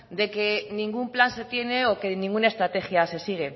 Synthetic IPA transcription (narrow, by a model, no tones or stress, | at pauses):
d̪e̞ke̞nĩŋɡumplanse̞t̪je̞neoke̞nĩŋɡunaest̪ɾat̪e̞xjase̞siɣ̞e̞